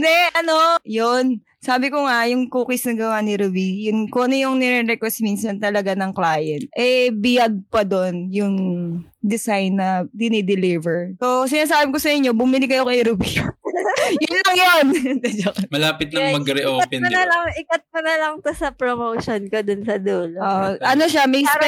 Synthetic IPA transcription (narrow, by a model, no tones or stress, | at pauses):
d̪ɛʔɐnojon | saːbɪkoŋajʊŋkuːkɪsnɐɡɐwanɪɾubijʊnkoʔɐnɐjʊŋnɛɾɛɾɛkwɛst̪minsɐnt̪ɐlɐɡanɐŋklaːjɛnt̪̚ʔɛbɪjɐɡ̚pɐd̪onjʊŋ | d̪ɛsajnːɐd̪ɪnɪd̪ɛlivɛɹsosɪnaːsaːbɪkosɐʔɪɲːo̞bʊmilɪkːɐjokɐjɾubi | jʊnlɐŋjond̪ɛd͡ʒɐkɐmɐlaːpɪt̪̚nɐŋmɐɡɐɾɛʔopɛnɐnɐlɐŋɪkɐt̪̚pɐnɐlɐŋt̪osɐpɾomowʃonkod̪ʊnsɐd̪uːlooʔʔɐnoʃamɐj